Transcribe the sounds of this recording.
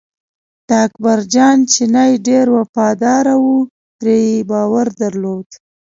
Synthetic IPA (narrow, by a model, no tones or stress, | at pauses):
d̪̥əakbaɾd͡ʒɑnt͡ʃenajɖeɾwafɑd̪ɑɾawu | t̪ɾejebɑwaɾd̪aɾlod̪